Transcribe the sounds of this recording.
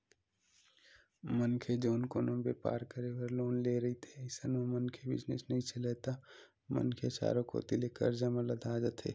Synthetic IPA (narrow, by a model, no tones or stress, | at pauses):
mənkʰed͡ʒoːnkoːnõbeːpa̰ːɾkəɾewəɾloːnleːɾɐɦit̪ʰeɪsənomənkʰebɪ̰t͡ʃnḛsnɐɦĩseleːt̪a | mə̰nkʰet͡ʃa̰ːɾokʰo̰t̪ileːkə̰ɾd͡ʒəmɐləd̪aːd͡ʒət̪ʰḛː